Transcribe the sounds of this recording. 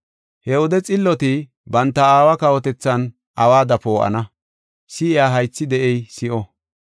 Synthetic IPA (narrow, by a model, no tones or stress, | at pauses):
hɛwɔd̪ɛt͡sʼɪlːɔt̪ɪ | bɐnt̪ːɐaːwɐkɐwɔt̪ɛt͡sːɐn | ʔɐwaːd̪ɐpoːʔɐ̰nɐ | sɪɪjaːɦɐjt͡sːɪd̪ɛʔɛjsɪʔɔ